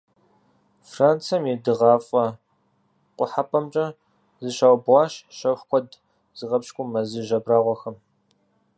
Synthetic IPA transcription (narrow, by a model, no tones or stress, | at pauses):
fraːnt͡sʰɐmedɨʁɑːfʼɐ | qʷʼʊħapʰʼɐmt͡ʃʼɐ | zɨɕaːwbʁɑːɕʃɐwħkʷʰɔd | z̥ɨʁɐpʃkʷʼʊmːɐzɨʒɐbraːʁʷɔxɐm